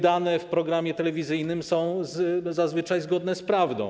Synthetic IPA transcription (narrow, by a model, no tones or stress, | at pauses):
d̪anɛfpɾɔɡɾamʲjɛt̪ɛlɛvʲizɘjnɘmsɔ̃w̃zzazvɘt͡ʂajzɡɔd̪nɛspɾavd̪ɔ̰̃w̃